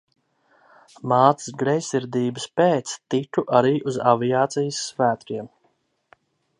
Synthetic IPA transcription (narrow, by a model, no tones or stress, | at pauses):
maːt̪sɨ̥sɡɾɛjsʲiɾd̪iːbəspɛːt̪st̪it̪uʔaɾiːʔuza̰viaːt̪sijəsːvæːt̪ɾiɛm